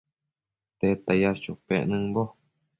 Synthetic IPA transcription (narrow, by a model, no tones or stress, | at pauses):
t̪et̪ajaʃopeʔnɨ̃bo